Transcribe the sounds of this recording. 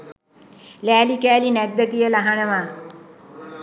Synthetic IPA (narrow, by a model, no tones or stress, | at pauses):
læːlikæːlinɛɡ̚d̪ət̪ijəlaɦanəʋaː